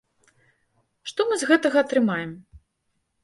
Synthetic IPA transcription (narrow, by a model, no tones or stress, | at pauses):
ʂt̪ɔmɨzɣɛt̪ɐɣɐːt̪ɾɨmajɛm